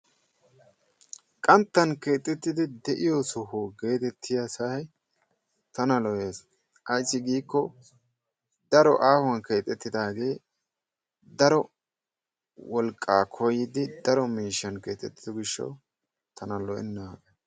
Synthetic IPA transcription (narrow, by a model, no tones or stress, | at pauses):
kʼɐnt̪ːɐnke̞ːt̪ʼɛt̪ːɪd̪ɪd̪ɛʔɪjosʊhoɡe̞ːt̪ɛt̪ʰːɪjɐsɐj | t̪ɐnɐlɔje̞ːs | ʔɐjsːɪɡiːkːɔ | d̪ɐɾɔ̰ʔaːhwɐnke̞ːt̪ʼɛt̪ːɪd̪aːɡe̞ː | d̪ɐɾɔ | wɔlkʼːaːkʰɔjɪd̪ɪd̪ɐɾɔmiːʃːɐnke̞ːt̪ʼɛt̪ːɪd̪ɔɡɪʃːɐ̰w | t̪ɐnɐlɔʔɛ̰nːɐaːkɐ